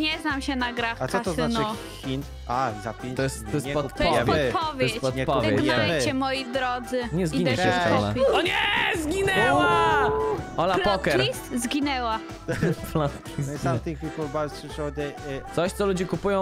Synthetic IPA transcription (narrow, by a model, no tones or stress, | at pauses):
ɲɛznamɕɛnaɡɾaxasɔasɔznaɔ | xʲin | azap̪ʲɔjɛst̪t̪ɔjɛspɔt̪pɔɛɔpɔvʲjjɛspɔt̪pɔvjɛnɛt͡ɕɛmɔjid̪ɾɔd̪zɘɲɛzɡiiɲɛɛɔ̰la̰ɔɲɛzɡʲinɛwa | ɔlapɔkɛɾiszɡʲinɛwa | flat̪kʲizsiamt̪ɨxfʲitubaɾʂʂɔd̪ɛsɔɕt̪sɔlud͡ʑɛkupujɔ̃w̃